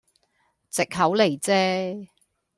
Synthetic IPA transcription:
t͡sɪ˨k̚ɦɐ˨˥wle˨˩jt͡sɛː˥

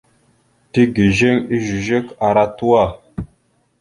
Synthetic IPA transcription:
ti˦ɡi˨ʒe˦ŋi˦ʒi˨ʒe˦ka˨ɾa˦tu˦wa˦˨

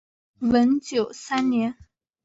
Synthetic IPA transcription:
wə˧˥nt͡ɕjo˨˩ʊsa˥nnjɛ˧˥n

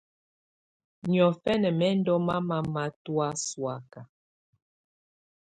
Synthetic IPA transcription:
ɲi˨ɔ˨fɛ˦nɛ˨mɛ˦n̩˦dɔ˦ma˦ma˦ma˦twa˦swa˨ka˨

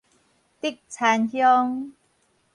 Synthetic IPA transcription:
t̪i˦˥˩k̚t͡sʰaː˨˧˥nhʰjɔ˦˧ŋ

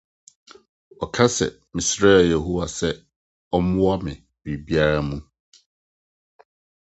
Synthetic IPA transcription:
ɔ˨kʰa˦sɛ̰˨ | mɪ̃˨sɾɛː˦˨jɛ˨ɦo˦wa˨sɛ˦ | ɔ˦mʊ̃˦wa˦mɪ̃˨ | bi˨bi˦a˦ɾa˦mũ˦

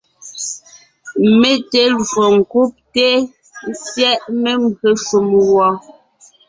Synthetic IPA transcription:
me˦te˨˦lo˨ŋ˨ku˦p̚te˦ | n̩˦sjɛ˦ʔme˦mbɰe˨ʃu˨mwɔ˨˦

